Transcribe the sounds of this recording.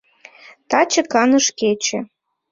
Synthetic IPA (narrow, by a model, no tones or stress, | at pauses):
t̪ɑt͡ɕĕkɑnɤ̆ʃket͡ɕĕ